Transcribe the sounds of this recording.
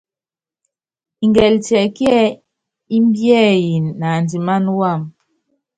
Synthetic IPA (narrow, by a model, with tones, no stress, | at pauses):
i˨ŋɡɛ˨ltɛ˨kjɛ˦ | i˦mbjɛ˦˨ji˨nːa˨ndi˨ma˦nwa˦˨m